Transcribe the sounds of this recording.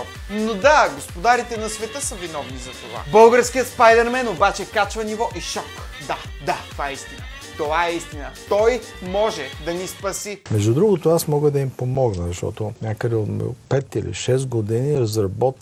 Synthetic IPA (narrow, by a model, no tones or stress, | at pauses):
nod̪aɡospod̪aɾit̪ɛnɐsvɛt̪əsəvinɔvnizɐt̪ova̰bɤlˠɡəɾsk̟ijət̪spajd̪ɛɾmɛnobat͡ʃɛkat͡ʃvɐnivɔʔiʃɔk | d̪a | d̪at̪ovaɛist̪inə̰ | t̪ovaɛist̪inət̪ɔj | mɔʒɛd̪ɐnispɐsimɛʒd̪ud̪ɾuɡʊt̪oasmɔɡəd̪ɐimpomɔɡnəzɐʃt̪ɔ̰t̪onʲakəd̪ɛot̪m̰pɛt̪ilḭʃɛst̪ɡod̪iniɾɐzɾɐbɔt̪